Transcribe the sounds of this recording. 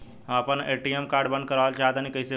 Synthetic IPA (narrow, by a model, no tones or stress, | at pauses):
apəneʈiemkaɾɖbənd̪̚kəɾalt͡ʃaɦt̪anikəjse